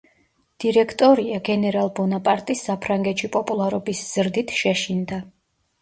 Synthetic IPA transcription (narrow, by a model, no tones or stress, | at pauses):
d̪̥iɾɛkʰt̪ʼɔɾiaɡɛnɛɾalˠbɔnapʼaɾt̪ʼisːapʰɾaŋɡɛt̪ʃipʼɔpʼulˠaɾɔbisz̥ɾd̪it̪ʰʃɛʃind̪a